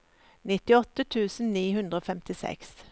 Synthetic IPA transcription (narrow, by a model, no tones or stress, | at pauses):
nɪt̪ɪɔt̪ət̪ʰʉːsn̩niːhʉnd̪ɾəoːfɛmt̪ɪsɛ̰ks